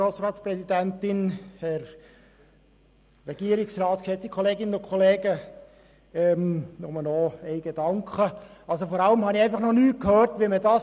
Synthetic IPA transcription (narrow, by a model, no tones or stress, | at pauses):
oːsrɑːtspɾrɛsidæntɪnhɛɾ | ɛɡ̥iəɾɪksrɑːt̪kʃɛt͡sikʰχɔleːɡɪnənʊkʰɔleːɡə | ɛmnɔməlnɔɛɪɡ̥ed̥ɑŋkχəɑlsofɔɾɑləmhɑniɛɪfɑχnɔnyːt̚kʰhøːɾtʋimədɑːs